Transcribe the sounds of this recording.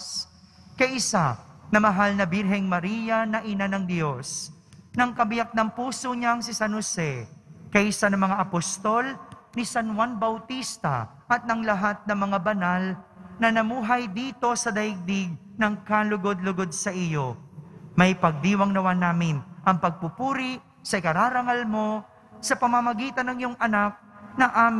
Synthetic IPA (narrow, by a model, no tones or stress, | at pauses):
kɐjʔɪsanɐmɐɦalnɐbɪɾɦɛŋmɐɾiːjɐnɐʔɪnanɐŋd̪jo̞s | nɐŋkɐbɪjak̚nɐŋpuːsoɲaŋsɪsanosɛkɐjʔɪsanɐŋmɐŋaʔɐpost̪o̞lnisɐnwanbɐwt̪ist̪ɐ̰ | ʔɐt̪̚nɐŋlɐɦat̪̚nɐŋmɐŋabɐnalnɐnɐmuːɦɐjd̪iːt̪o̞sɐd̪ɐjɪɡ̚d̪ɪɡ̚nɐŋkalʊɡod̪̚lʊɡod̪̚sɐʔɪjo̞mɐjpɐɡ̚d̪iːwɐŋnɐwanaːmɪnʔɐŋpɐɡ̚pupuːɾi | sɐʔɪkɐɾaːɾɐŋalmo̞ | sɐpɐmɐmɐɡiːt̪ɐnːɐŋjoŋʔɐnak̚nɐʔaːm